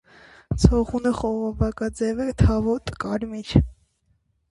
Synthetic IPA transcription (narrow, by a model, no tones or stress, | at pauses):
t͡sʰɔʁunəχɔʁɔvɑkɑd͡zɛvɛt̪ʰɑvɔt̪ʼəkʼɑɾmiɾ